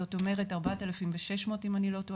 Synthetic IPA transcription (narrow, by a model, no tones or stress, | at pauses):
oto̞me̞ʁe̞taʁbatelafimveʃeʃmo̞timanilo̞to